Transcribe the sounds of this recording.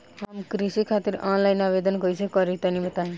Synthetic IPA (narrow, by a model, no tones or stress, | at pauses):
ɦamkɾisikʰat̪iɾɔnlajnabed̪ənɡʌjt͡ʃʰekʌɾit̪anibət̪aĩ